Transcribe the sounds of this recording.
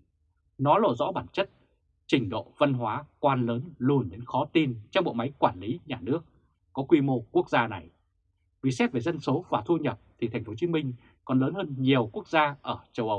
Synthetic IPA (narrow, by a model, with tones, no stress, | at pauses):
nɔ˨˦lo̰˧˩zɔ̰˧˥ɓaː˧˩nt͡ɕə˦˥t̚ | t͡ɕï˨˩ŋ̟ɗo̰˧˨və˧nɦwaː˨˦kwaː˧nləː˨˦nlu˧˩ənɗe˨˦nxɔ˨˦t̪i˧nt͡ɕɔ˧wŋ͡mɓo̰˧˨jma˨˦jkwaː˧˩nli˨˦ɲaː˨˩nɨ˦˥ək̚ː | ɔ˨˦kwi˧mo˧ku˦˥ək̚zaː˧na˨˩j | vi˨˩sɛ˦˥p̚ve˨˩zə˧nso˨˦vaː˨˩t̪ʰu˧ɲə˨˩p̚t̪ʰi˨˩t̪ʰɛ˨˩ŋ̟fo˨˦t͡ɕi˨˦mï˧ŋ̟ | kɔ˨˩nləː˨˦nhəː˧nɲi˨˩əwku˦˥ək̚zaː˧ʔəː˧˩t͡ɕə˧wʔə˨˧w